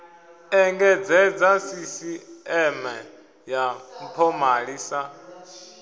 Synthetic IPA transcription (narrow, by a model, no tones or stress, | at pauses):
ɛŋɡɛd͡zɛd͡zasisiɛmɛ | jam̩pʰɔmaɺisa